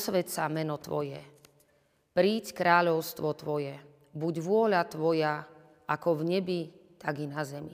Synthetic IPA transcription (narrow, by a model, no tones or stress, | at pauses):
sʋɛt̪samɛnɔt̪ʋɔ̰jɛ | pɾiːckɾaːʎɔʊst̪ʋɔt̪ʋɔjɛ | buɟʋʊɔʎat̪ʋɔja | ʔakɔvɲɛbit̪aɡinazɛmḭ